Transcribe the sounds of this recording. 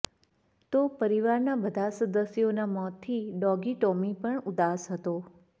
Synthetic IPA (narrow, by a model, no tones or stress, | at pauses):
t̪opəɾiʋaɾnabəd̪ʱasəd̪əsjonamɔt̪ʰːiɖɔɡiʈomipəɳud̪asɦət̪o